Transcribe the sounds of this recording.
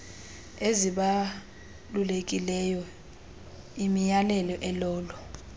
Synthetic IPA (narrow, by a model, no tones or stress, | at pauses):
eziɓa | lulek̬ʼilɛjɔ | imijalɛlɔʔɛlɔːlɔ